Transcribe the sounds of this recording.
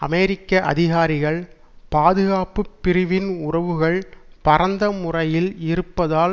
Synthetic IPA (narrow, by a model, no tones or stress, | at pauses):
ɐ̰mɛːɾɪkːɐʔɐ̰ðɪɣaːɾɪɣɐɭ | paːðɯɣaːpɯpːɪɾɪʋɪnʊrɐʋɯɣɐɭpɐɾɐnd̪ɐmʊrɐjɪlɪɾɯpːɐðaː